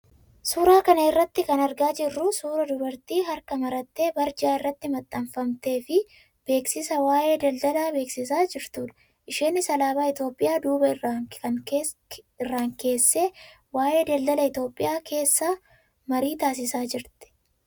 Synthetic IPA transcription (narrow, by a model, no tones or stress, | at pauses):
suːɾaːkɐnɐɪrːɐt̪ːɪkɐnɐɾɡaːd͡ʒɪrːʊsuːɾɐd̪ʊbɐɾt̪iːɦɐɾkɐmɐɾɐt̪ːe̞ːbɐɾd͡ʒaːɪrːɐt̪ːɪmɐt̪ʼːɐmfɐmt̪e̞ːfɪ | b̥e̞ːksɪsɐwaːʔe̞ːd̪ɐld̪ɐlaːbe̞ːksɪs̬aːd͡ʒɪɾt̪uːᶑ̪ɐ̥ | ʔɪʃeːnːɪsɐlaːbaːɪt̪jo̞ːpʼːɪjaːd̪uːbɐɪrːaːɐŋː | ɪrːaːŋke̞ːsːe̞ː | waːʔe̞ːd̪ɐld̪ɐlɐɪt̪o̞ːpʼːɪ̰jaːkʰe̞ːsːaː | mɐɾiːt̪aːs̬ɪsaːd͡ʒɪɾt̪ɛ̥